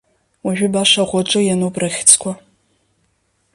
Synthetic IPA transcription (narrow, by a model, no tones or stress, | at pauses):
ʊʒᶣʊbaːɕɐʁʷɔt͡ʃʼɨjɛnoːpʼrɐxʲɪ̥t͡sʰʼkʷʰɔ